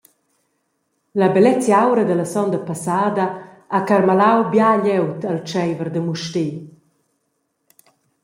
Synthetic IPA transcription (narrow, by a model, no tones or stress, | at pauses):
ləbɛlɛt͡sjawɾəd̪əlasɔnd̪əpasaːd̪a | akaɾmalawbjaʎɛwt̪alt͡ʃɛjvəɾd̪əmuʃte